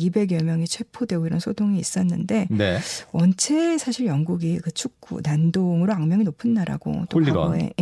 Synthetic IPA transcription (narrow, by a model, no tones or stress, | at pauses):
ibe̞ɡjʌmjʌŋit͡ɕʰwe̞pʰodwe̞ɡoiɾʌnsʰotʰoŋiːs͈ʌnːɯnde̞newʌnt͡ɕʰe̞sʰaɕʰiɾjʌŋɡuɡikɯt͡ɕʰuk̚k͈ṵnandoŋɯɾoaŋmjʌŋinopʰɯnːaɾa̰ɡ̥o̰t͈oaɡʌḛ